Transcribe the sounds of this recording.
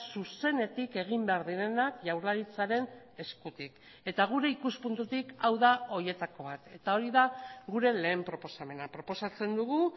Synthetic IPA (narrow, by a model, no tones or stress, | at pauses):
suse̞ne̞t̪ike̞ɣ̞imbe̞aɾðiɾe̞nakʝawɾlaɾit͡saɾe̞n | e̞skut̪ik | e̞t̪aɣ̞uɾe̞ikuspunt̪ut̪ikawðao̞ɾje̞t̪ako̞βat̪e̞t̪ao̞ɾiðaɣuɾe̞le̞ːmpɾo̞po̞same̞napɾo̞po̞sat͡se̞nd̪uɣu